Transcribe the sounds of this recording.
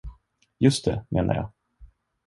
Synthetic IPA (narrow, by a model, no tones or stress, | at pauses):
jɵst̪̚ḛmʔḛːna̰ɾjɑ̰ː